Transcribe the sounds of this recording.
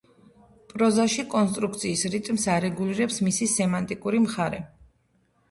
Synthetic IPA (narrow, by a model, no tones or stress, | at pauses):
pʼɾɔzaʃikʼɔnst̪ʼɾuk̚ʰt̪sʰiːsɾit̪ʼmsaɾɛɡuliɾɛpsmisisɛmant̪ʼikʼuɾimχaɾɛ